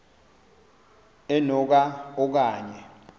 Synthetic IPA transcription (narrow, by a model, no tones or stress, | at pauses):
ɛnɔk̬aɔk̬aːɲɛ